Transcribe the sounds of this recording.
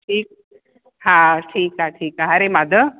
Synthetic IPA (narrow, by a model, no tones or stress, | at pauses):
ʈʰiːk̚ | ɦãʈʰiːkɦãʈʰiːkaɦaɾemad̪ə